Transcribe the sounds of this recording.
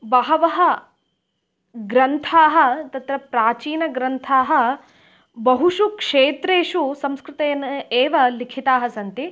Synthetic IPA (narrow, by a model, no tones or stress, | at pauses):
bɐɦɐʋɐɦɐ̆ | ɡɾɐnt̪ʰaːɦɐ̆t̪ɐt̪ɾɐpɾaːt͡ʃiːnɐɡɾɐnt̪ʰaːɦɐ̆ | bɐɦuʃukʂeːt̪ɾeːʃusɐmskɾɪt̪ɐːɐnɐeːʋɐlikʰit̪aːɦɐsɐnt̪i